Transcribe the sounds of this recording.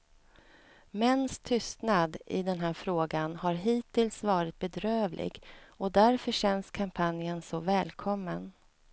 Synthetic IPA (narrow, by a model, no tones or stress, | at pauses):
mɛnːst̪ʰʏst̪nad̪ɪ̰d̪ɛnɦæːɾfɾoːɡanhaɾɦiːt̪ʰɪlsvɑːɾɪt̪̚bɛd̪ɾøːvlʔɪ̰ɡɔd̪æɾfœɕɛnːskʰampʰanjənsɔvɛːlkʰɔmːən